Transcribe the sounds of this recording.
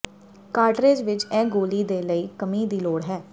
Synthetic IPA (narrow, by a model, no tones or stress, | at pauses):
kaːʈɾeːd͡ʒʋɪt͡ʃɛ̃ːɡoːliːd̪eːləiːkəmiːd̪iːloːɽɦɛː